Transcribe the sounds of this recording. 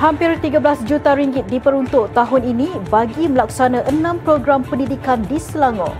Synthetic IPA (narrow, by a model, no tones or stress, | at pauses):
hampɪrt̪iɡəbəlasd͡ʒut̪aɾiŋɡɪt̪̚dipəɾunt̪ʊʔt̪aɦʊninĩbaɡiməlaksanãʔənãmpɾoɡɾampəndidikandisəlaŋɔ̰̃